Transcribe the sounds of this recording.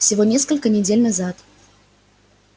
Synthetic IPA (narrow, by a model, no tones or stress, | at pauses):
fsʲɪvonʲe̞skəlʲkənʲɪdʲelʲnɐzat̪